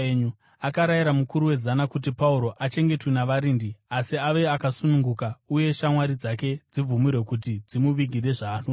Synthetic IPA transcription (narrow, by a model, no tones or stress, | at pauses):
ɲu | akaɾajiɾamukuɾuwe̞zanakut̬ipauɾo̞ʔat͡ʃe̞ŋɡe̞twenaʋaɾiːndiasiaʋe̞akasunuŋɡukauje̞ʃamwaɾid͡zake̞d͡zib͡vumiɾwe̞kut̬id͡zimuʋiɡʱire̞ʐaːno